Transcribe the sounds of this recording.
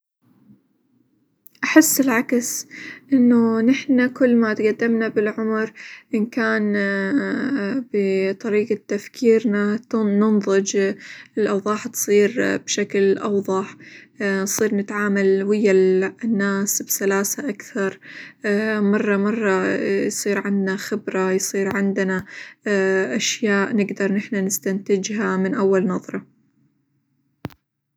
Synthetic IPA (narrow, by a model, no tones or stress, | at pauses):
ʔaħɪsːɪlʕaksʔɪnːʊnɪħnakʊlːmat̪ɡad̪ːɪmnabɪlʕʊmɾʔɪnkaːn | bɪt̪ˤɑɾiːqat̪ːafkʰiːɾnanʊnðˤɨd͡ʒɪlʔɑwðˤɑːħt̪sˤiːɾbʃaklʔɑwðˤɑħnsˤiːɾnɪt̪ʕaːmalwɪjːanːaːsbsalaːsaʔakθɑɾˤ | mɑrˤːɑmɑrˤːɑjsˤiːɾʕɪnd̪naxɪbɾajsˤiːɾʕɪnd̪na | ʔaʃjaːʔnɪɡd̪ɑɾˤnɪħnanɪst̪ant̪ɪd͡ʒɦamɪnʔawːalnɑðˤɾˤɑ